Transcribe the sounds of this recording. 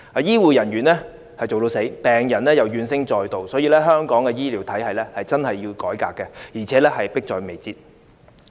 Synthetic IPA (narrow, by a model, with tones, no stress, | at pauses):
aː˨˧jiː˥wuː˨jɐ˨˩nɥyː˨˩nlɛː˥ | hɐ˨jt͡so˨wt̪o˧wse˨˥jpɛː˨ŋjɐ˨˩nlɛː˥jɐ˨wjyː˨nsɪ˥ŋt͡ʃɔː˨jt̪o˨wsɔː˨˥jiː˧lɛː˥ɦœː˥ŋkɔː˨˥ŋkɛ˧jiː˥liː˨˥wt̪ʰɐ˨˥jhɐ˨jlɛː˥hɐ˨jt͡sɐ˥nhɐ˨jːiː˧wkɔː˨˥jkaː˧kːɛ˧jiː˨˩t͡sʰɛː˨˧˥lɛː˥hɐ˨jpɪ˥k̚t͡ʃɔː˨jme˨jt͡siː˧t̚